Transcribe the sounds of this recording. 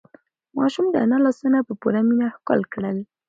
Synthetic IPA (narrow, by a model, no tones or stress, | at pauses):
mɑʃumd̪əanalasunapəpuɾaminaxkɑ̰lkɽəl